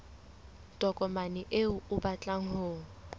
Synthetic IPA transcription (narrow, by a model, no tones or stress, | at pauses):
tʼɔkʼɔmanɪʔeʊʊbat͡ɬʼaŋ̩hʊːŋ̩